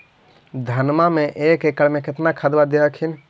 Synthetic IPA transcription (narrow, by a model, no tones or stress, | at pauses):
d̪ʱənmameʔekekəɽmeket̪nakʰad̪bad̪iəkʰin